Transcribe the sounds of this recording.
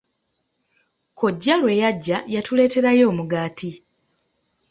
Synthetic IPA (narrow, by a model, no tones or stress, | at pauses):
koɟːalwe̞ːjaɟːajatule̞ːte̞ɾajo̞ːmuɡaːtʰi